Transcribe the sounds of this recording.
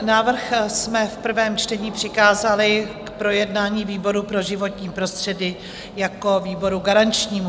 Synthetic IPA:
naːvr̩xsmɛfpr̩vɛːmt͡ʃtɛɲiːpr̝̥ɪkaːzalɪkpɾo̞jɛdnaːɲiːviːbo̞ɾupɾo̞ʒɪvo̞t̪ɲiːpɾo̞st̪r̝̥ɛdɪ | jako̞viːbo̞ɾuɡaɾant͡ʃɲiːmu

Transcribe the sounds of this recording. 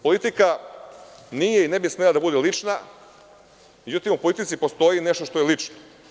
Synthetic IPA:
polit̪ika | nijeinebismelˠad̪abud̪elit͡ʂna | me̞d͡ʑut̪imupo̞lit̪it̪sipo̞st̪o̞jine̞ʃt̪o̞ʃt̪ojelit͡ʃno

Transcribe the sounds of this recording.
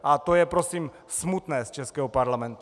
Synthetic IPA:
ʔat̪o̞jɛpɾo̞siːm | smut̪nɛːst͡ʃɛskɛːɦopaɾlamɛnt̪u

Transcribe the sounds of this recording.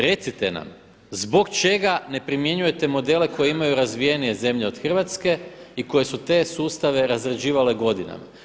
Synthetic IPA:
ɾe̞t̪sit̪e̞na̰m | zbo̞kt͡ʃe̞ɡane̞pɾimje̞ɲuje̞t̪e̞mo̞d̪e̞le̞ko̞jeimajuɾazʋije̞nije̞ze̞mʎeo̞d̪̥xr̩ʋat̪ske̞iko̞je̞sut̪e̞ːsuːst̪aʋe̞ɾazɾed͡ʑiːʋale̞ɡo̞d̪ina̰ma̰

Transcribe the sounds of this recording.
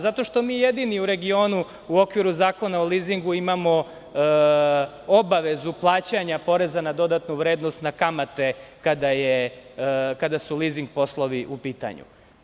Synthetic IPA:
zat̪o̞ʃt̪o̞miːjed̪iniuɾe̞ɡio̞ːnu | uo̞kʋiɾuzaːko̞naoliːziŋɡuimamo̞ | obaʋe̞zuplˠaːt͡ɕaɲapo̞ɾe̞zanad̪o̞d̪at̪nuʋɾeːd̪nost̪nakamat̪e̞kad̪aje | kad̪asuliziŋɡ̚po̞slˠo̞ʋiʔupiːt̪a̰ɲṵ

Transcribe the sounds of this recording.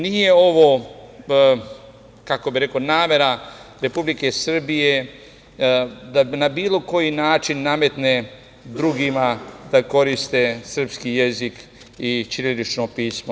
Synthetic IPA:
nije̞o̞ʋo̞ | kako̞biɾe̞ko̞naːme̞ɾaɾe̞publike̞sr̩bije | d̪anabiːlo̞ko̞jinaːt͡ʃinːame̞t̪ne̞ | d̪ɾuɡimad̪ako̞ɾist̪e̞sr̩pskije̞zik | it͡ʃinelit͡ʃno̞piːsmo

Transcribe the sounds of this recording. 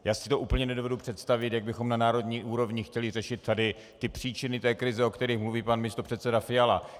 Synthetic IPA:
jaːsɪt̪o̞ʔuːpl̩ɲɛnɛdo̞vɛdupr̥ɛt̪st̪avɪt̪jaɡ̚bɪxo̞mnanaːɾo̞dɲiːʔuːɾo̞vɲɪxcɛlɪrɛʃɪt̪̚ːadɪ | t̪ɪpr̥iːt͡ʃɪnɪt̪ɛːkɾɪzɛo̞kt̪ɛɾixmluviːpanmɪst̪o̞pr̥ɛt̪sɛdafɪjala

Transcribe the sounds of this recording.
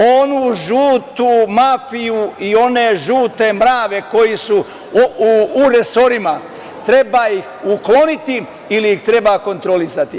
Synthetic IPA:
onuʒuːt̪umafijuio̞ne̞ʒuːt̪e̞mɾaːʋe̞ko̞jisu | ɾe̞so̞ɾima | t̪ɾe̞baːjixuklo̞nit̪i | iliixt̪ɾe̞baːko̞nt̪ɾo̞lisat̪i

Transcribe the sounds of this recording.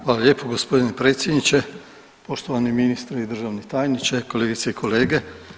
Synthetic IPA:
ʋaːlaljeːpoɡospo̞d̪inepɾet̪sjed̪nit͡ɕe | po̞ʃt̪oʋaniminist̪ɾaid̪r̩ʒaʋnet̪aːjnit͡ʃeko̞leːɡit̪seikʰo̞leːɡe

